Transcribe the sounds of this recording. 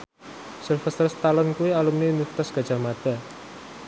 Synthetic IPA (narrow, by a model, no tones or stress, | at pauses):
sɛlfɛst̪ərst̪alɔnkuialumninuft̪ɔsɡ̥a̤dd͡ʒ̥a̤mad̪̥a̤